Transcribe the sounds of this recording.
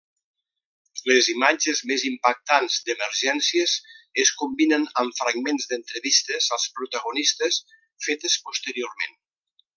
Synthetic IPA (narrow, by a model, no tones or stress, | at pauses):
ləzimad͡ʒəzmezimpak̚t̪anzd̪əməɾʒɛnsiəzəskumbinənəɱfɾaɡmenzd̪ənt̪ɾəβist̪əzəlˠspɾut̪əɣunist̪əs | fet̪əspust̪əɾioɾmḛn